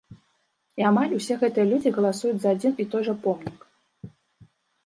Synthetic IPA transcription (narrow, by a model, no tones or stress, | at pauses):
iamalʲusʲɛɣɛt̪ɨjɛlʲud͡zʲiɣɐlˠasujut͡sʲzɐad͡zʲinit̪ɔjʐɐpɔmnʲik